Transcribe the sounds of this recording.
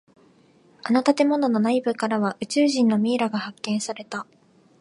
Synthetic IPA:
anot̪at̪e̞mo̞no̞no̞naibɯ̟kaɾaβaʔɯ̟t͡ɕɨːʑĩnːo̞mʲiːɾaɡahakːẽ̞ɰ̃saɾe̞t̪a

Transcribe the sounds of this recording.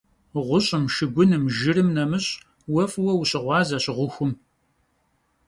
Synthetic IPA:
ʁʷʊɕʼɪmʃɨɡʷʊnɨmʒɪrɨmnɐmɨɕʼ | wɐfwɐwuɕɪʁʷɑːzɐɕɪʁʷʊxʷʊm

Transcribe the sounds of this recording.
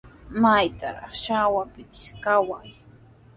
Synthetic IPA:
majt̪a̰ɾɑ̰χʃawapɪt̪ɪ̥skawaj

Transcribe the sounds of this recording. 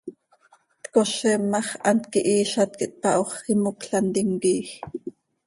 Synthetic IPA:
t̪koʃɛmːɑχʔɑnt̪kiʔiːʃɑt̪̚kḭʔt̪ɑʔoχkimukɬɑnt̪iŋkiːx

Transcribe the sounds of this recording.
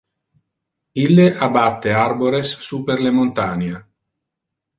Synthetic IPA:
ilːeʔabat̪ːearboɾesːuperlemont̪ana

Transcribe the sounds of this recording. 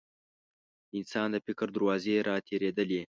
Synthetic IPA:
ɪnsɑnd̪əfɪkɾd̪aɾwɑzeɾʔɑt̪ʰeɾed̪əle

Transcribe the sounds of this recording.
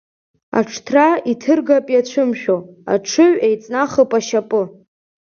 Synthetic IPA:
a̰ʈ͡ʂʰtʰraitʰɨrɡapʼjat͡ɕʷʰɨmʃᶣoa̰ʈ͡ʂʰɨɥejt͡sʼnaχəpʼaʃapʼɨ

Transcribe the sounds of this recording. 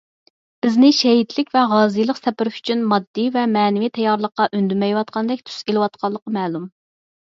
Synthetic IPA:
b̥ɪznɪʃɛɦit̪ʰlɪkʲvɛʁɑːzɨjlˠəqsɛpɪɾɪfy̥t͡ʃʰynmɑd̪ːivɛmɛːnɪvit̪ʰɛjɑɾlˠəqːɑʔønd̪ymɛjwɑt̪̚qɑnd̪ɛk̚ʲt̪ʰy̥selɨwɑt̪̚qʰɑlˠːəqɑmɛːlˠum

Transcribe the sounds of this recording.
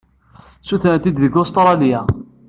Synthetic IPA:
suθnt̪id̪ðəɡʊst̪ɾˤɑljæ

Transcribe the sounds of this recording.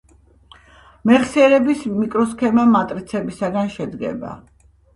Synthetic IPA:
mɛʁsiɛɾɛbismikʼɾɔs̬kʰɛmamat̪ʼɾit̪sʰɛbisaɡanʃɛd̪ɡɛ̰ba̰

